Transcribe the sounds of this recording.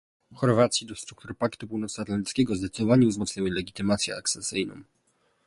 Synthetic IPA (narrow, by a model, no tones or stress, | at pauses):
xɔɾvat̪sʲjid̪ɔst̪ɾukt̪uɾpakt̪upuwnɔt̪sat̪lant̪ɪtskʲɛɡɔzd̪ɛt̪sɘd̪ɔvaɲuvzmɔt̪sɲawɘlɛɡʲit̪ɘmat̪sʲjɛ̰akt̪sɛsːɘjnɔ̰̃m̃